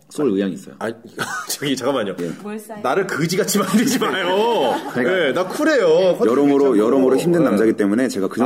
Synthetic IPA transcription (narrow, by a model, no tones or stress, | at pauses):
sʰoɭɯjaŋis͈ʌjo̰at͡ɕaɡit͡ɕaɡamaɲoje̞̰naɾɯɭkɯd͡ʑiɡat͡ɕʰimanded͡ʑimajoikenakʰuɾe̞jokʰjʌɾʌmoɾojʌɾʌmoɾoçimdɯnːamd͡ʑaɡit͈e̞mune̞t͡ɕe̞ɡakɯd͡ʑʌ